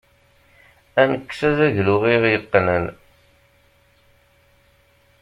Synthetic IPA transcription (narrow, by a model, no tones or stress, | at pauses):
ænəkːsæzæʝlʊʁiʁjəqːnən